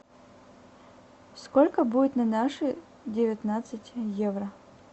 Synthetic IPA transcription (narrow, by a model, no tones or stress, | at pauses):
skolʲkəbudʲɪt̪nɐnaʂɨ | dʲɪvʲɪt̪nat̪sɨtʲjevrə